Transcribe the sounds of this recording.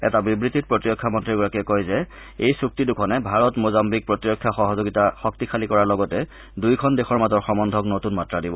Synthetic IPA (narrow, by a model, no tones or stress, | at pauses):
ɛ̰tabibɹitit̚pɹotiɹɔkʰːamɔntɹiɹɡɔɹakɛkɔjzɛ | ejsuk̚tidukʰɔnɛbʱaɹɔtmozambik̚pɹɔtɹɔkʰːjaxɔɦɔzoɡitaxɔk̚tixʰalikɔɹaɹlɔɡɔtɛ | dujkʰɔndexʰɔɹmazɔɹxɔmɔndʱɔknotunmatɹadibɔ